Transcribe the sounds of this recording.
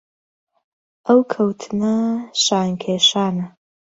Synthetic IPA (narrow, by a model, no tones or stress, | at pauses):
ʔɐwkʰɐwt̪ʰɨnɐʃaːŋkʰeːʃaːnɐ